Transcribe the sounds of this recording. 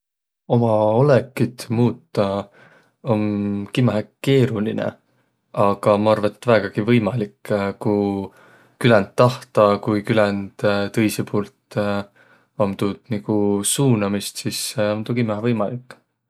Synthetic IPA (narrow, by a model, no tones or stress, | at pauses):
o̞mɑolekːˑid̪̥muːt̪ːɑ | o̞nkimæɦeke̞ːɾulinḛ | ɑɡ̥ɑmɑɑrvɑet̪ːvæːɡ̥ɑɡ̥ivɤjmɑlikːku | kylɛnt̪ːɑht̪ɑkujkylɛnd̪̥t̪ɤ̞jsipʰuːlt̪ | omt̪ud̪̥niɡ̥usuːnɑmist̪siseont̪ukimæɦevɤjmɑlikːˑ